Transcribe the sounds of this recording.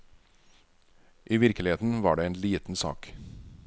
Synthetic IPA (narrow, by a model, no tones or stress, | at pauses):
ʔiːʋɪɾkəlɪeːt̪n̩ʋɑːɖeːeːnliːt̪n̩sɑ̰ːk